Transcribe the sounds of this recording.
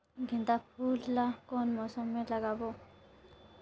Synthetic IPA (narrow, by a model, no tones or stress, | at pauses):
ɡʱind̪apʰulːakɔnmɔsɔmɛlaɡabɔ